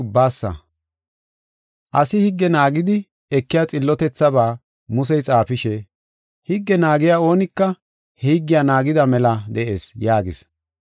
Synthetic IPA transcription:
ʊbːaːsːɐ̰ | ʔɐsɪhɪɡːɛnaːɡɪd̪ɪ | ɛkːɪjaːt͡sʼɪlːɔt̪ɛt͡sːɐbaː | mʊs̬ɛjt͡sʼaːfɪʃɛ | hɪɡːɛnaːɡɪjaːo̞ːnɪkːɐ | hɛhɪɡːɪjanaːɡɪd̪ɐmɛlɐd̪ɛʔe̞̰ːsjaːɡɪs

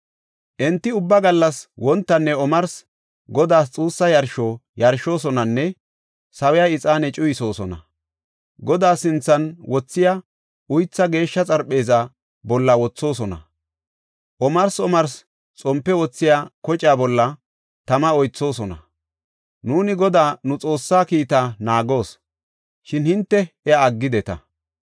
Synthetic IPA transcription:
ʔɛnt̪ːɪʊbːɐɡɐlːɐswɔnt̪ːɐnːɛɔmɐɾs | ɡɔd̪aːs̬t͡sʼuːsːɐjɐɾʃoːjɐɾʃo̞ːs̬ɔnɐnːɛ | sɐwɛjaɪt͡sʼaːnɛt͡ʃʼʊjɪso̞ːsɔnɐ̰ | ɡɔd̪aːsɪnt͡sːɐnwɔt͡sːɪja | ʊjt͡sːɐɡe̞ːʃːɐt͡sʼɐɾpːe̞ːzɐ | bɔlːɐwɔt͡sːo̞ːsɔnɐ̰ | ʔɔmɐɾsɔmɐɾs | t͡sʼɔmpːɛwɔt͡sːɪjaːkɔt͡ʃʼjaːbɔlːɐ | t̪ɐmɐɔjt͡sːo̞ːsɔnɐ̰ | nuːnɪɡɔd̪aːnʊt͡sʼo̞ːsːaːkiːt̪aːnaːɡo̞ːs | ʃɪnhɪnt̪ːɛɛːɡːɪd̪ɛt̪ɐ̰

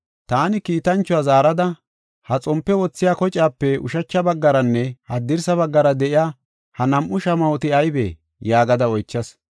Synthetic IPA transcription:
t̪aːnɪkiːt̪ɐnt͡ʃːʊwaːzaːɾɐd̪ɐ | hɐt͡sʼɔmpːɛwɔt͡sːɪjaːkɔt͡ʃʼaːpːɛʊ̰ʃɐt͡ʃːɐbɐɡːɐɾɐnːɛhɐd̪ɪɾsɐbɐɡːɐɾɐd̪ɛʔɪjaː | hɐnɐmʔʊʃɐmɐɔt̪ɪɐjbḛː | jaːɡɐd̪ɐɔjt͡ʃːɐs

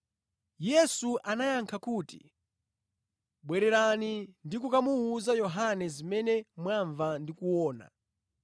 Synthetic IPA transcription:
jɛsuʔanajaŋkʰakuːtḭ | ɓwɛɾɛɾanindikukamuuzajɔɦanɛzimɛnɛmwaɱvandikuwɔːna̰

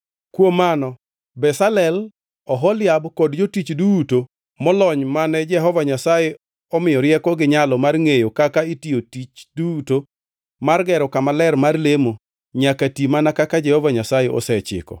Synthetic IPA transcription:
kwomːanɔ | bɛsalɛl | ɔɦɔlɪabkɔdd͡ʒotit͡ʃduuto | mɔlɔɲmanɛd͡ʒɛɦɔvaɲasajɛ | ɔmɪjɔɾjɛkɔɡɪɲalɔmarŋejokakaitiotit͡ʃduuto | marɡɛɾɔkamalɛrmarlemo | ɲakatimanakakad͡ʒɛhɔvaɲasajɛʔɔ̰sɛt͡ʃɪ̰kɔ̰

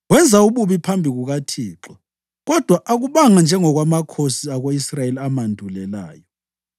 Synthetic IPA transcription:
ɣwɛnd͡zʱauβuβipʰambʱiɣuɣatʰiːǁɔ | ɣɔd̥ʱwaʔaɣuβaŋand͡ʒʱɛŋɔɣwamakʰosiaɣoisrajeliamandʱulɛla̰ːjɔ

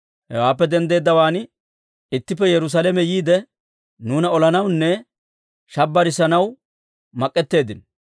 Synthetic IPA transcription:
hɛ̰waːpːɛd̪ɛnd̪e̞ːd̪ːɐwaːn | ɪt̪ːɪpːɛjɛɾʊs̬alɛmɛjiːd̪ɛ | nuːnɐɔlɐnɐwnːɛ | ʃɐbːɐɾɪsɐnɐw | mɐkʼːɛt̪ːe̞ːd̪ɪn

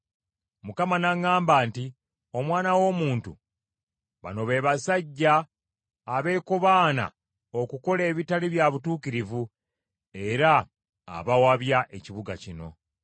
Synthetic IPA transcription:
mukamanaŋaːmbaːnti | o̞mwaːnawo̞muːntṵ | βa̰no̞βe̞ːβasaɟːaː | βe̞ːkoβaːna̰ | okuko̞le̞ːβitaliβjaβutuːkiɾivu | e̞ɾa̰ː | βawaβjaʔe̞ciβuɡacino̞̰

